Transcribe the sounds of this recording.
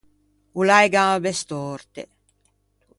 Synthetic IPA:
ulajɡabest̪oɾt̪ḛ

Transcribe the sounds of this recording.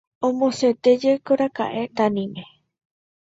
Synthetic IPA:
õmõset̪ed͡ʒekoɾaka̰ʔe̞t̪anĩme

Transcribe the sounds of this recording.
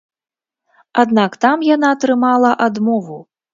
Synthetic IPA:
ad̪nakt̪amjanat̪ɾɨmalˠɐʔad̪mɔvu

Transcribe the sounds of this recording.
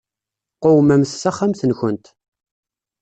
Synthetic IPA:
qowmæmsːæχːamθənçənt̪

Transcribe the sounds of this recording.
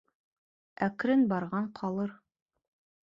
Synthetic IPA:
ækɾɘnbɑɾʁɑɴqʰɑlˠɤɾ

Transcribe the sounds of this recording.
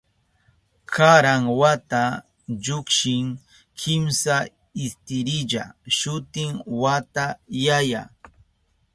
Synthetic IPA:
kʰaɾaŋwat̪a | ʎʊkʃɪŋ | kʰɪmsa | ɪst̪ɪɾɪʎa̰ʃʊt̪ɪŋwat̪ajaja

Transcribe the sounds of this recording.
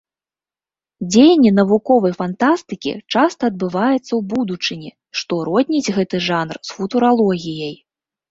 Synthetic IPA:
d͡zʲejɐnʲːinɐvukɔvɐjfant̪ast̪ɨkʲḭt͡ʂast̪ɐːd̪̚bɨvajɛt̪sːɐwbud̪ut͡ʂɨnʲi | ʂt̪ɔɾɔdʲnʲid͡zʲɣɛt̪ɨʐanrsfut̪uɾalˠɔɣʲijɐj

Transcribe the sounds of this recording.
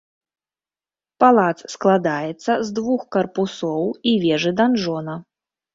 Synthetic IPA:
palˠat̪ssklˠad̪ajɛt̪sːɐzd̪vuxkɐrpusɔwivʲɛʐɨd̪anʐɔnɐ

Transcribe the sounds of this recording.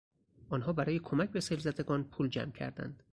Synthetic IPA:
ʔɒːnɦɒːbæɾɒːjekʰo̞mæc̚beselzæd̪eɡɒːnpʰuːld͡ʒæ̰mcʰæ̰ɾd̪æ̰nd̪̥

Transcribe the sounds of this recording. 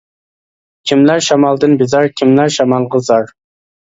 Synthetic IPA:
kʲʰimlæɾʃɑmɑlˠd̪ɨnbɪzɑɾkʲʰimlæɾʃɑmɑlˠʁəzɑɾ

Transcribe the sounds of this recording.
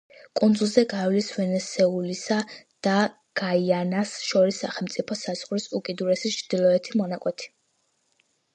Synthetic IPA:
kʼund̪zulˠzɛɡavlisvɛnɛsɛulisad̪̥a | ɡ̥aianasʃɔɾisːaχɛlˠmt̪sʼipʰɔsaz̥ʁɾisukʼid̪uɾɛsit͡ʃʰɾd̪̥ilˠɔɛt̪ʰimɔnakʼwɛt̪ʰi̥

